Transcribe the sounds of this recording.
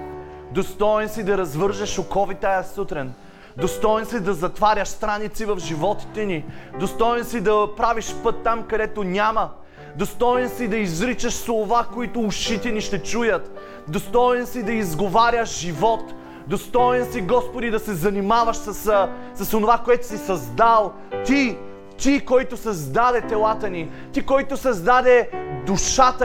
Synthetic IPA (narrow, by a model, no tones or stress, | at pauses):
d̪ost̪ɔɛnsid̪ɐɾɐzvɤɾʒəʃokɔvit̪ajəsut̪ɾɛn | d̪ost̪ɔjɛnsid̪ɐzɐt̪vaɾʲəʃst̪ɾanit̪sivɐfʒivɔt̪i̥t̪ɛnid̪ost̪ɔjɛnsid̪ɐpɾaviʃpɤt̪ːamkɐd̪ɛt̪onʲamɐ | d̪ost̪ɔjɛnsid̪ɐizɾit͡ʃəʃslˠovakoit̪ʊːʃit̪ɛniʃt̪ɛt͡ʃujət̪ | d̪ost̪ɔjɛnsid̪ɐizɡovaɾʲjəʒivɔt̪ | d̪ost̪ɔɛnsiɡɔspod̪id̪ɐsɛzɐnimavəʃsɐssɐsonovakoɛt̪ʊ̥sisɐzd̪alˠ | t̪i | t̪ʲikɔjt̪ʊsɐzd̪ad̪ɛt̪ɛlˠat̪ənit̪ikɔjt̪ʊsɐzd̪ad̪ɛd̪uʃat̪ə